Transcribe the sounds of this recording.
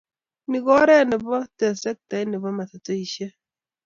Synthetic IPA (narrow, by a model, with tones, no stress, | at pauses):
ni˨ɡɔ˦ɾɛ˦˨nɪ˨bɔ˦tɛ˨sɛ˦k̚tɛ˨˦nɪ˨bɔ˦mɛ˨tɛ˨to˦i˨ʃe˦